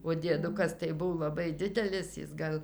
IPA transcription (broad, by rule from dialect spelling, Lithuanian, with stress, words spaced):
oː dʲiɛˈdʊkɐs tɐɪ ˈbʊw lˠɐˈbɐɪ ˈdʲɪdʲɛlʲɪs ˈjɪs ɡɐlˠ